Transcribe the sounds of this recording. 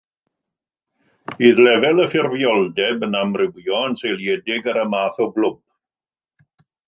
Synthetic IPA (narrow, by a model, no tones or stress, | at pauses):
b̥iːðlɛvɛlˠəfɪrvjɔlˠdɛbənamrɪwjɔənselˠjɛdɪɡəɾəmaːθɔɡlʊmb